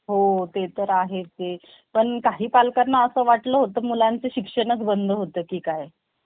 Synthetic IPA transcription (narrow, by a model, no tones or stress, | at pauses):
ɦot̪et̪əɾaɦet͡se | pəɳkaɦiːpalkanːaəsəːʋaʈləːɦot̪əːmulant͡seɕikʂəɳ̃ət͡sbənd̪ʱəɦot̪əːkiːkaj